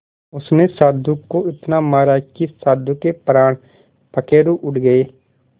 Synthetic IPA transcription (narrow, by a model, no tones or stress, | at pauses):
ʊsnesaːd̪ukːoɪt̪naːmaːɾaːkisaːd̪ukepɾaːɳ | pʰəkeːɾuːʔʊʈɡəeː